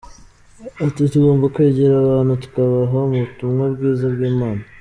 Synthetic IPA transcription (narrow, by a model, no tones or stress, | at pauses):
atituɡo̞ːmbakweːɟeɾaβaːnhutu̥kaβaɦomuβutumŋabɡiːzabɡiːmaːna